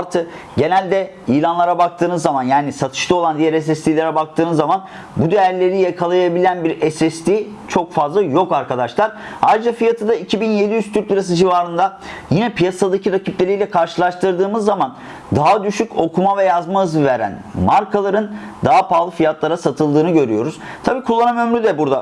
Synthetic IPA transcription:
ɾt̪ʰɯk | ɟe̞nælʲd̪ɛ | ijlʲanlˠaɾabak̚t̪ʰɯːnɯzːamanjaːnisat̪ʰɯ̥ʃlˠɯo̞lˠand̪ijæɾɛs̬ɛslʲilʲeɾɛbak̚t̪ʰɯːnɯzːaman | bud̪ejæɾlʲe̞ɾijakʰalˠajabilʲænbiɾɛsɛst̪ʲi | t͡ʃʰo̞kfazlˠajo̞kaɾkʰad̪aʃlˠaɾa̰jɾɯd͡ʒafijat̪ʰɯd̪aicʰibinje̞d̪ijyst̪ʰyɾlʲˠɯɾas̬ɯd͡ʒivaːɾɯnd̪a | jinɛpʰijasad̪acʰiɾacʰiplʲelʲijlʲɛkʰaɾʃɯlˠaʃt̪ɯɾd̪ɯːmɯzːaman | d̪aɦad̪yʃyco̞kʰumavɛjazmaɯzɯveɾæ̰nmaɾkʰalˠaɾɯn | d̪aɦapaːlˠɯfijat̪lˠaɾasat̪ʰɯlˠd̪ɯːnɯɟø̞ɾyjo̞̰ɾuz̥ | t̪ʰabiːkʰulˠːanamø̞mɾyd̪ɛbuɾd̪a

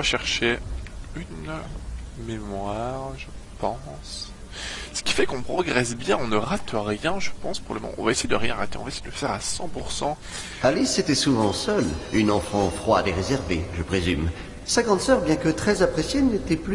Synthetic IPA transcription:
vaʃɛʁʃeyn | memwaʁʒəpɑ̃ | s | sə̥kʲi̥fɛkɔ̃pχɔɡʁɛsbjɛ̃ɔ̃nəʁat̪ʁjɛ̃ʒəpɑ̃spʁɔbləmɑ̰̃ʔɔ̰̃vaesejed̪əʁjɛ̃ʁat̪eɔ̰̃vaesejed̪ələfɛʁasɑ̃puʁsɑ̃ | aliset̪ɛsuvɑ̃sœlynɑ̃fɑ̃fχwa̰d̪eʁezɛʁveʒəpχezym | saɡɑ̃d̪sœʁbjɛ̃kət̪χɛzapχesjenet̪ɛply

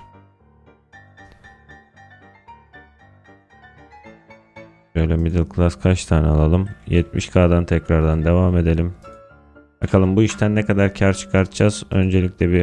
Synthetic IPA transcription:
øjlʲɛmid̪ilˠkʰlˠaskʰat͡ʃt̪ʰaːnɛalˠalˠɯmjɛt̪̚mḭʃkʰaːd̪ant̪ʰɛcɾaɾd̪and̪e̞vaːme̞d̪e̞lʲim | bakʰalˠɯmbuiʃt̪ʰænːɛkʰad̪aɾcʰaɾt͡ʃʰɯ̥kʰaɾt̪ʰɯd͡ʒaz̥ø̞nd͡ʒe̞lʲicʲlʲɛbi

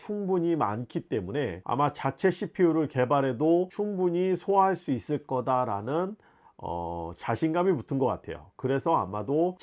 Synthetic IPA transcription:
t͡ɕʰuŋbuɲima̰nkʰit͈e̞mune̞a̰mat͡ɕat͡ɕʰe̞ɕʰipʰiuɾɯɭke̞baɾe̞dot͡ɕʰuŋbuɲisʰoaɦaɭs͈uis͈ɯɭk͈ʌdaɾanɯn | ʌ̰t͡ɕaɕʰinɡamimutʰɯnɡʌk͈a̰tʰe̞̰jo̰kɯɾe̞sʰʌa̰mado

